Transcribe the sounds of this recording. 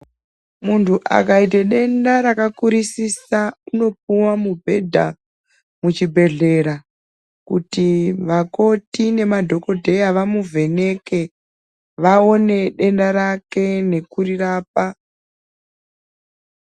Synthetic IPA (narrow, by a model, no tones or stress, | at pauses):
muntʰuʔa̰kaiteɗe̞ndaɾakakuɾisisauno̞p̚uwamubʱe̞dʱa̰ | mut͡ʃibʱe̞ɮe̞ɾa | kutiʋako̞tine̞madʱo̞ko̞dʱe̞jaʋamuve̞ne̞ke̞ | ʋao̞ne̞ɗe̞ndaɾake̞ne̞kuriraːp̚a